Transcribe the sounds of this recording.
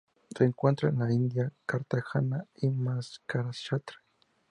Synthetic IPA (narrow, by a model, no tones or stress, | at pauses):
seŋkwent̪ɾanaind̪jakaɾt̪axanaimaskaɾasʃat̪ɾḁ